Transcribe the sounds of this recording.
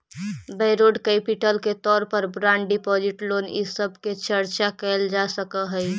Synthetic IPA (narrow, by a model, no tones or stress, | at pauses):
bəɪɾoɖkəɪpiʈəlket̪ɔːɾpəɾbɾaɳɖɖipɔd͡ʒiʈlonḭsəbʱket͡ʃəɾt͡ʃakəɪld͡ʒasəkəɦəj